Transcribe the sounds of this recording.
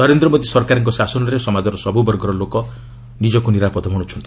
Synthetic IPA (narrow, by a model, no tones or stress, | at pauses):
nɔɾend̪ɾɔmod̪isɔɾkaɾɔŋkɔsasɔnɔɾesɔmad͡ʒɔɾɔsɔbubɔɾɡɔɾɔlokɔ | nid͡ʒɔkuniɾapɔd̪ɔɦɔɽ̃ut͡ʃʰɔnt̪i̥